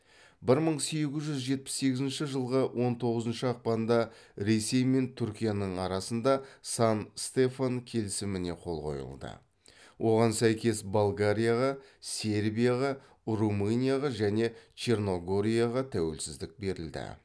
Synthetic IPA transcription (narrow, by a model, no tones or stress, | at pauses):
bɪɾməɴse̞ɡʲɪzʒʏzʒe̞t̪̚pɪ̥sːe̞ɡʲɪzɪnʃɪʒəlˠʁəwʔo̞nt̪ʰo̞ʁəzənʃɪɑq̚pɑnnd̪ɑ | ɾe̞se̞jme̞nt̪ʰʏɾkʲijanəɴɑɾɑsənd̪ɑsɑnst̪e̞faŋkʲʰe̞lɪsɪmɪne̞qʰo̞̰lˠqo̞̰jə̰lˠd̪ə̰ | wʔo̞ʁɑnsæjkʲe̞sbalˠɡaɾʲijaʁɑsʲe̞ɾbijaʁɑ | rumɨnʲijaʁɑʒæne̞t͡ʃʰe̞rno̞ɡo̞ɾʲijaʁɑt̪ʰæwe̞̰lsɪzd̪ɪk̚be̞ɾɪ̰ld̪ɪ̰